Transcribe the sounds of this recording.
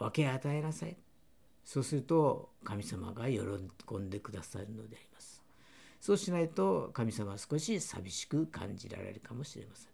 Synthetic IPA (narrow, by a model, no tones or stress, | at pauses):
βake̞at̪ae̞nasai | so̞ːsɨɾɯ̟t̪o̞kamʲisama̰ɡajo̰ɾokõ̞nd̪e̞kɯ̟d̪asa̰ɾɯ̟no̞d̪e̞aɾʲimasɨ̥ | so̞ːɕinait̪o̞kamʲisamasɨ̥ko̞ɕisa̰bʲiɕi̥kɯ̟kã̰ɲd͡ʑiɾa̰ɾe̞̰ɾɯ̟kamo̞ɕiɾe̞̰masẽŋ